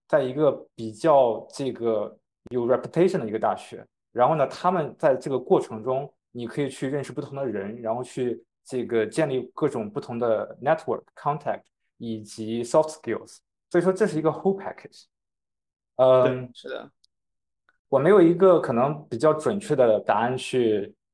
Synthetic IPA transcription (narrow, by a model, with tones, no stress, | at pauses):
t͡sa˥˩ɪi˧˥ɡə˧pi˨˩t͡ɕjɑ˥˩˧ʊʈ͡ʂɤ˥˩ɡə˩ | jo˨˩ʊɻɛ˧˥pʰju˥t̪ʰe˥ɪʂə˥˩nd̪ə˩i˧˥ə˧t̪a̰˥˩ɕɥɛ̰˧˥ | ɻa˧˥nxo˥˩ʊnə˩t̪ʰa˥mə˨nt͡sa˥˧ɪʈ͡ʂɤ˥˩ɡə˩kwɔ˥˩ʈ͡ʂʰɤ˧˥ŋʈ͡ʂʊ˥ŋ | ni˨˩kʰɤ˧˥i˨˩t͡ɕʰy˥˧ɻə˥˧nʂɻ̩˥˧pu˥˩t̪ʰʊ˧˥ŋ˥d̪ə˧ɻə˧˥nɻa˧˥nxo˥˧ʊt͡ɕʰy˥˧ | ʈ͡ʂɤ˥˩ɡə˩t͡ɕjɛ˥˧nli˥˧kɤ˥˩ʈ͡ʂʊ˨˩ŋpu˥˩t̪ʰʊ˧˥ŋd̪ə˧nɛ˥t̪ʰwə̰˨˩kʰːɑ˥ŋt̪ʰæ̰˥˩k̚t̪ | i˨˩t͡ɕi˧˥sɔ˥ft̪ʰski˥˩lˠs | swɔ˧˥i˨˩ʂwɔ˥ʈ͡ʂɤ˥˧ʂɻ̩˥˩i˧˥ɡə˧xo˥pʰa̰˥kʰe˨˩ʈ͡ʂ | ə˥˧ɻ̩˥˩d̪ə̰˩ | wɔ˨˩me˧˥ɪjo˨˩i˧˥ɡə˧kʰɤ˨˩nɤ˧˥ŋpi˨˩t͡ɕjɑ˥˩ʊʈ͡ʂwə˨˩nt͡ɕʰɥɛ˥˩d̪ə˩t̪a˧˥a˥˧nt͡ɕʰy˥˩